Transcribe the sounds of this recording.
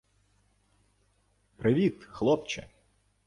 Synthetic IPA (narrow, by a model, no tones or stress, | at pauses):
pɾɪʋʲit̪xlˠɔp̚t͡ʃɛ̰